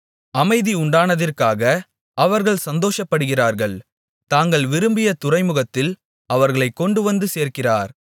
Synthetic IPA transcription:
ɐmɐɪðiʊɳɖaːnɐðɪrkaːɣɐ | ɐʋɐɾɣɐɭsɐnd̪oːʂɐpːɐɽɯɣɪraːɾɣɐɭ | t̪aːŋɡɐɭʋɪɾɯmbɪjɐt̪ʊrɐɪmɯɣɐt̪ːɪl | ɐʋɐɾɣɐɭɐɪkːɔɳɖɯʋɐnd̪ɯseːɾkɪraːɾ

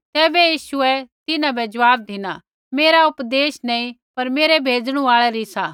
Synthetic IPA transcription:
t̪ɛːbɛjiːʃuɛt̪ɪnãbɛd͡ʒɐʋaːb̚d̪ʱɪna | meːɾaʊpd̪eːʃnɛ̃ːĩ | pɐɾmeːɾɛbʱeːd͡ʒɽ̃ũaːɭɛɾisaː

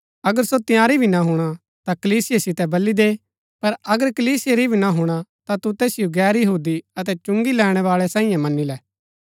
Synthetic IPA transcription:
ɐɡəɾsot̪ɪjaːɾibʱinaɦʊɽ̃a | t̪akɐliːsɪjesɪt̪ɛbɐlːid̪e | pɐɾɐɡəɾkɐliːsɪjeɾibʱinaɦʊɽ̃at̪at̪ut̪ɛːsɪjoɡɛːɾjɐɦuːd̪iɐt̪̬ɛt͡ʃʊ̃ŋɡilɛːɽ̃ɛʋaːɭɛsãːĩjãmɐnːilɛː

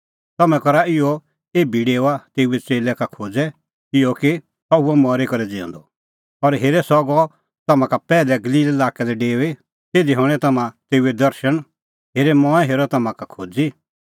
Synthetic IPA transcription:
t̪ɐmɛ̃kɔɾaɪɔ | eːbiɖeːʊat̪eːuɛt͡seːlɛkakʰoːd͡zɛ | ɪjɔki | ɐuɔmɔɾekɔɾɛd͡zɪɔ̰̃ːnd̪ɔ | ɔɾɦeːɾɛsɔɡɔ | t̪ɐmãkapɛːlɛɡɐliːlɛlaːkɛlɛɖeːe | t̪eːd̪iɦɔ̃ɛt̪ɐmãt̪eːuɛd̪ɐɾʃəɽ̃ | ɦeːɾɛmɔ̃ːɛ̃ɦeːɾɔt̪ɐmãkakʰoːd͡zi

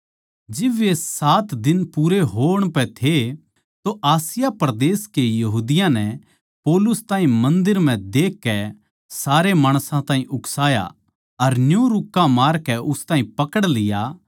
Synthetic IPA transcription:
d͡ʒɪbesaːt̪d̪ɪnpuːɾeɦoːəɽ̃pɛt̪ʰe | t̪oʔaːsɪjapɾd̪eːskejɐɦuːd̪ɪjãnɛ | poːlʊst̪ãːɦĩmɐ̃nd̪ɪɾm̤ɛ̃d̪eːkːɛ | saːɾemaːɽ̃sãt̪ãːɦĩʔʊksaːja̰ | ɐɾnjuɾʊkːamaːɾkɛʊst̪ãːɦĩpɐkəɽlɪja

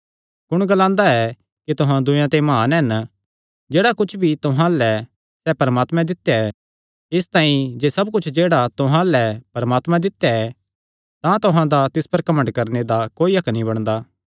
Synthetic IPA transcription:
kʊɽ̃ɡɐlãːnd̪aɛ | kit̪ʊɦãd̪ʊ̃jãt̪emãːnɛn | d͡ʒeːɽakʊt͡ʃʰbʱit̪ʊɦãlɛ | sɛpɐɾəmaːt̪mɛ̃d̪ɪt̪ːjaɛ | ɪst̪ãːĩd͡ʒeːsɐb̚kʊt͡ʃʰd͡ʒeːɽat̪ʊɦãlɛpɐɾmaːt̪mãd̪ɪt̪ːjaɛ | t̪ãt̪ʊɦãd̪at̪ɪspɐɾkɐmə̃ɳɖkɐɾned̪akoːiɐknĩbɐɽ̃d̪aː

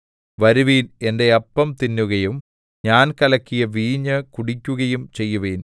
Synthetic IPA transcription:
ʋɐɾuʋiːne̞nde̞ɐpːɐmt̪inːuɣɐjum | ɲaːnkɐlɐkʲːijɐʋiːɲːɐkuɽikʲːuɣɐjumt͡ɕe̞jːuʋeːn

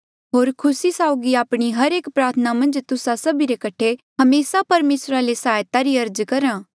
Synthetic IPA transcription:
ɦoːɾkʰʊsisaːʊɡiaːpɽ̃iɦɐɾeːkpɾaːɾt̪ʰənamɐ̃nd͡ʒt̪ʊsasɐbiɾekɐʈʰeɦɐmeːsapɐɾmeːsɾalesaːjt̪aɾiɐɾd͡ʒkɐɾãː

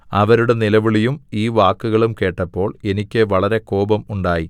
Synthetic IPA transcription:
ɐʋɐɾuɽe̞nilɐʋiɭijumiːʋaːkːuɣɐɭumke̞ːʈːɐpːo̞ːɭe̞nikʲːɨʋɐɭɐɾe̞ko̞ːbɐmuɳɖaːji

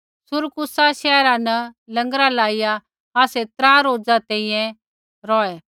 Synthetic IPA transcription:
sʊɾkʊsaʃɛːɾãnɐlɐ̃ŋɡɾalaːɪja | aːset̪ɾãːɾoːd͡zat̪ɛ̃ĩjɛ̃ | ɾɔːe

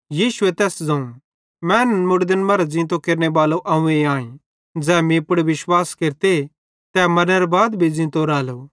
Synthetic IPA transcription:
jiːʃʊet̪ɛːsd͡zɐ̃ũ | mɛ̃ːnmʊɽd̪ənmɐɾad͡zɪ̃ːt̪okeːɾnebaːloʔɐũẽãːĩ | d͡zɛːmĩpʊɽeʋɪʃwaːskeɾt̪e | t̪ɛːmɐnəɾbaːd̪bʱid͡zĩːnt̪oɾaːlo

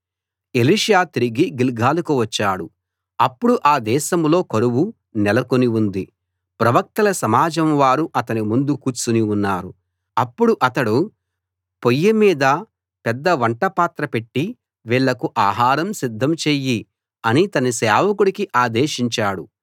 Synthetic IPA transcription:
e̞liːʂjaːt̪iɾiɡiɡilɡʱaːlukuʋɐt͡ʃːaːɽu | ɐpːuɽuʔaːd̪ɛːʃɐmlo̞ːkɐɾuwu | nɛlɐkoniund̪i | pɾɐʋɐk̚t̪ɐlɐsɐmaːd͡ʒɐmʋaːɾuʔɐt̪ɐnimund̪ukuːɾt͡ʃuniunːaːɾu | ɐpːuɽuʔɐt̪ɐɽu | pojːimiːd̪ɐ | pɛd̪ːɐʋɐɳʈɐpaːt̪ɾɐpe̞ʈːi | ʋiːɭːɐkuʔaːɦaːɾɐmsid̪ʱːɐmt͡ʃeːji | ɐnit̪ɐnisɛːʋɐkuɽikiʔaːd̪eːʃiɲt͡ʃaːɽu

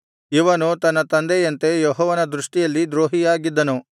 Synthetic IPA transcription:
iʋɐnut̪ɐnːɐt̪ɐnd̪ejɐnt̪e̞joɦɔːʋɐnɐd̪ɾuʂʈijɐlːid̪ɾoːɦijaːɡid̪ːɐnu

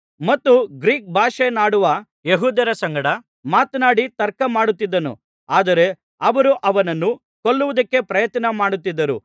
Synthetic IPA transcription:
mɐt̪ːuɡɾiːk̚bʱaːʂenaːɽuʋɐ | jeɦuːd̪ɐɾɐsɐŋɡɐɽɐ | maːt̪naːɽit̪ɐɾkɐmaːɽut̪ːid̪ːɐnṵ | aːd̪ɐɾe̞ | ɐʋɐɾuʔɐʋɐnɐnːu | koɭːuʋɐd̪ɐkːe̞pɾɐjɐt̪nɐmaːɽut̪ːid̪ːɐɾṵ

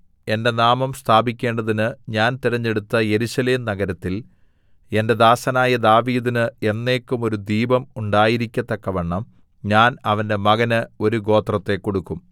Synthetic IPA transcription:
e̞nde̞naːmɐmst̪ʰaːbikʲːe̞ːɳɖɐðinɨɲaːnt̪iɾɐɲːe̞ɽut̪ːɐje̞ɾuɕɐleːmnɐɡɐɾɐt̪ːil | e̞nde̞d̪aːsɐnaːjɐd̪aːʋiːðinɨe̞nːe̞ːkːumo̞ɾud̪iːbɐmuɳɖaːjiɾikʲːɐt̪ːɐkːɐʋeɳːɐm | ɲaːnɐʋɐnde̞mɐɣɐnɨo̞ɾuɡo̞ːt̪rɐt̪ːe̞kːo̞ɽukːum

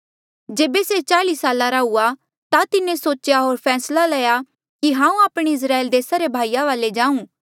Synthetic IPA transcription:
d͡ʒeːbeset͡ʃaːlisaːlaɾaua | t̪at̪ɪnẽsoːt͡ʃjaɦoːɾpʰɛːslalɛja | kiɦãːũaːpɽ̃eɪs̬ɾaːeld̪eːsaɾebʱaːijaʋaːled͡ʒãːũː

